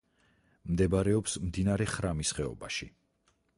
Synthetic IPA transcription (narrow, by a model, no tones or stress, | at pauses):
md̪ɛbaɾɛɔpsmd̪inaɾɛχɾamisχɛɔ̰baʃi